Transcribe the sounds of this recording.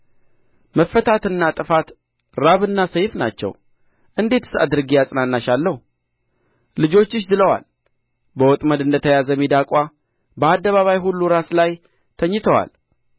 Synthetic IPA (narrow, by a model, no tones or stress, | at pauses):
məfːət̪ʰat̪ɨnːat̪ʼɨfat̪ | ɾaβɨnːasəjfna̰t͡ʃːɛ̰w | ʔɨnd̪e̞t̪ɨ̥sa̰d̪ɨɾɨɡijasʼɨnanːaʃalːəhu | lɨd͡ʒo̞t͡ʃːɪʃd̪ɨləwa̰l | bəwɔt̪ʼməd̪ɨnd̪ət̪ʰəjazəmid̪akʼʷa | bəad̪ːəβaβajɦulːuɾaslaj | t̪ʰəɲːɪt̪ʰəwa̰l